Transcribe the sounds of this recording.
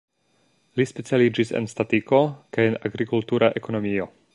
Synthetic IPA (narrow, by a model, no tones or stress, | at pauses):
lispet͡sialid͡ʒisḛnstatiko̞kajenaɡɾikultuɾʔaʔeko̞no̞mio̞